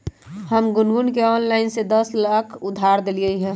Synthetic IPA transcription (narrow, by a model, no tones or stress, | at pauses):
həmɡʊnɡʊnkeɔːnlaːɪnsed̪əslaːkʰʊd̪ʱaːɾd̪eliəiɦɛ̃ː